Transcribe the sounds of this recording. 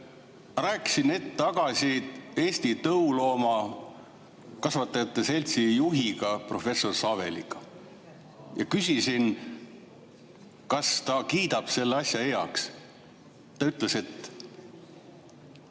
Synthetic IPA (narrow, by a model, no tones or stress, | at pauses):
ræːkːˑi̥sine̞t̪ːet̪ɑɡɑsʲie̞ːst̪it̪ɤulo̞ːmɑ | kɑsvɑt̪ːˑɑɑt̪ːese̞lʲt̪sijuɦiɡɑpro̞fe̞sːo̞rsɑve̞lḭɡ̥ɑ | jɑkysʲisin | kɑst̪ɑkiːd̪ɑb̥se̞lːeɑsjɑejɑ̰ks | t̪ːɑyt̪ˑle̞se̞t̪ː